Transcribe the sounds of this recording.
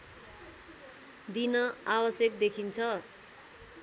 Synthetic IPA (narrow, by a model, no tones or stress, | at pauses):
d̪inʌabʌsjʌk̚d̪ekʰint͡sʰʌ